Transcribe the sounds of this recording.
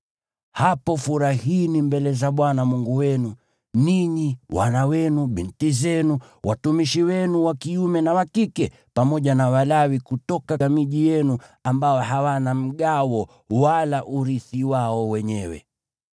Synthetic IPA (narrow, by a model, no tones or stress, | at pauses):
hapɔfuɾahiːnimbɛlɛzaɓwanamuŋɡuwɛnu | niɲiwʔa̰nawɛnuɓintizɛnu | wʔatumiʃiwɛnuwakiumɛnawakikɛ | pamɔʄanawalawikutɔkamiʄijɛnuambaɔɦawanam̩ɠawɔ | walaʔuɾiθiwaɔwɛɲɛwɛ̰